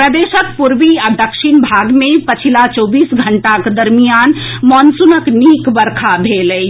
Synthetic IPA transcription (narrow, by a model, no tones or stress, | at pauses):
ɾəd̪eʃəkpuɾʋiad̪əkʃinbʱaɡmẽpət͡ʃʰilat͡ʃɔbisɡʱəɳʈakd̪əɾmijanmɔnsunəknikbəɾkʰabʱelə